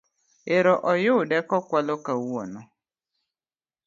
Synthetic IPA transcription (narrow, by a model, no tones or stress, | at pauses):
eɾɔʔɔjʊdɛkɔkʷalokauɔ̰nɔ